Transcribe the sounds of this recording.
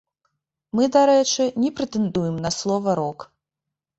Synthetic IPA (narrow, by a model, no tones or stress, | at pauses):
mɨd̪aɾɛt͡ʂɨnʲɛpɾɛt̪ɛnd̪ujɛmnɐslˠɔvɐɾɔk